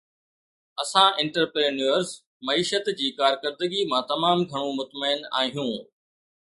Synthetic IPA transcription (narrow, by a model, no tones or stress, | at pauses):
ɐsãʔɪ̃ɳʈəɾpɾeːnəɾz | mɐiːʃət̪d͡ʑiːkaːɾkəɾd̪əɡimãt̪ɐmaːmɡʱɐɽ̃ũmʊt̪məɪna̰ːɦijũː